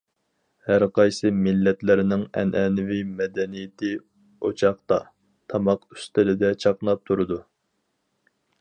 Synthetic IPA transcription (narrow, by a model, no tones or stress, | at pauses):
hæɾqɑjsɨmɪlːɛt̪lɪɾɪnɪŋɛ̰nʔɛnɪvimɛd̪ɛnijɪt̪ʰɪ | ot͡ʃʰɑχt̪ɑ | t̪ʰɑmɑqy̥st̪ɪlɪd̪ɛt͡ʃʰɑqnˠɑp̚t̪ʰuɾɨd̪u